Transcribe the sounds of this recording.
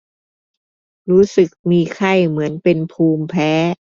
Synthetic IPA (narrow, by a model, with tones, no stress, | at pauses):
ɾuː˦˥sɯ˨˩k̚miː˧kʰa˥˩jmɯ˩˦ənpe˧npʰuː˧mpʰɛː˦˥